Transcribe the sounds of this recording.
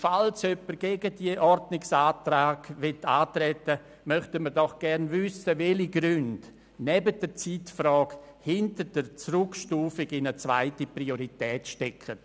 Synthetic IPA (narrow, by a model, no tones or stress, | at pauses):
falsœpːəɾɡ̥eɡədiəʔɔɾdnɪksaːtɾaːɡ̥ʋɪtʰaːtɾɛtə | mœχtəməɾdɔχɡ̥ɛɾnvʏsəvɛliɡɾʏnd | nɛbəd̥ət͡sitfɾɔːɡhɪntəɾdəɾt͡srʊkʃtuːfɪɡɪnət͡sva̰ɪtiprioɾitɛːtʃtɛkʰə